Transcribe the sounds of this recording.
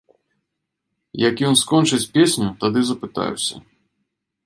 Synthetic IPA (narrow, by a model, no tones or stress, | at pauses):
jɐkjɔnskɔnt͡ʂɨt͡sʲpʲesʲnʲut̪ad̪ɨzɐpɨt̪a̰jṵsʲɐ̰